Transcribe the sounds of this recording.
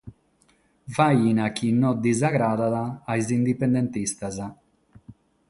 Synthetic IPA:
vajinakinːɔd̪izaɡɾaːd̪aðaːjzind̪ipend̪ent̪ist̪aza

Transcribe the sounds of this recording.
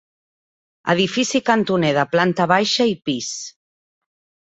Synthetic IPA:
ə̰ðifisikant̪uneðəplant̪əβajʃaipis

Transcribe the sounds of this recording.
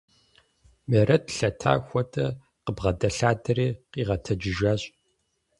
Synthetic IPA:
meɾʔɐtʰɬɐtʰa̰ːxʷɔtʰʼɐ | qəbʁɐdɐɬaːdɐriːqiːʁɐtʰɐd͡ʒɪʒaːɕʼ

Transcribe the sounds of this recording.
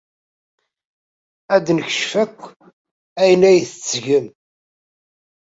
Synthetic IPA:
æd̪nəçəʃfækʷː | æjənæjθət͡sːʝəm

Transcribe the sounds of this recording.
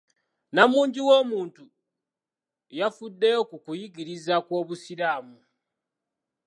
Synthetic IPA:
namuːɲɟiwo̞ːmuːntu | jafudːe̞jo̞kukujiɡiɾizakwo̞ːβusiɾaːmu

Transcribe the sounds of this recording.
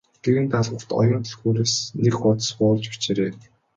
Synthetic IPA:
ɡ̥ewɘ̆nt̪aɮʁə̆wt̪ɔ̰jʊ̆ːnt̪ʰə̆xuːɾeːsnekχʊt̪̆sɢʊːɮt͡ɕpi̥t͡ɕeːɾeː

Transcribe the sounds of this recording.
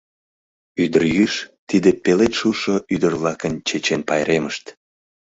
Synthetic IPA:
yd̪ərjyʃt̪id̪epelet̪ʃuʃoʔyd̪ərβlɑkənt͡ɕet͡ɕenpɑjɾeməʃt̪

